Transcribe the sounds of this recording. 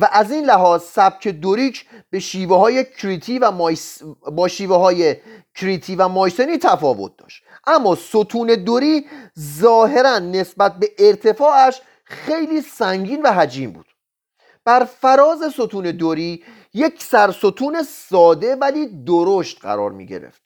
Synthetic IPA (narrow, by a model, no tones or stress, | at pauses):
væʔæziːnlæɦɒːzsæb̥̚cʰe̞d̪oɾiːcʰb̥e̞ʃiːveɦɒːjekʰɾit̪ʰiːvæjbɒːʃiːveɦɒːjecʰɾit̪ʰiːvæmɒːjseniːt̪ʰæfɒːvo̰t̪̚d̪ɒ̰ːʃt̪ | ʔæmːɒːsot̪ʰuːne̞d̪oɾiːzɒːɦe̞ɾænːe̞sbæt̪̚be̞ʔeɾt̪ʰe̞fɒːæʃ | xe̞jliːsæŋɟiːnvæɦæd͡ʒiːmbṵːd̪̥ | b̥æɾfæɾɒːze̞so̞t̪ʰuːne̞d̪oɾiː | jecʰsæɾso̞t̪ʰuːne̞sɒːd̪e̞væliːd̪oɾoʃt̪̚ɢæ̰ɾɒ̰ːɾmḭːɟḛɾḛft̪̚